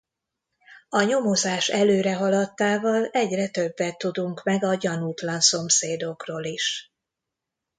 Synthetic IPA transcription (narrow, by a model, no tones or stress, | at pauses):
ɒɲo̞mo̞zaːʃɛløːɾɛɦɒlɒt̪ːaːvɒlɛɟrɛt̪ø̞bːɛt̪ːud̪uŋkmɛɡɒɟɒnuːt̪lɒnso̞mseːd̪o̞kroːliʃ